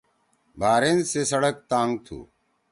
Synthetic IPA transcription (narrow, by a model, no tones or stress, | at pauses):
bʱaːɾeːnseːsəɽək̚t̪aːŋɡ̚t̪ʰṵː